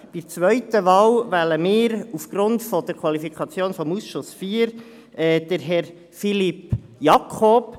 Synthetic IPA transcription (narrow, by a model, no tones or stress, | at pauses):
b̥iɾt͡sʋœʏtəvɑwvæləmɪːɾufɡ̥ɾʊntfɔd̥əɾkʰwɑlifikʰɑt͡sjoːnfɔmusʃʊsfiːəɾ | ɛːd̥əɾɦɛɾ | filip | jɑkʰoːp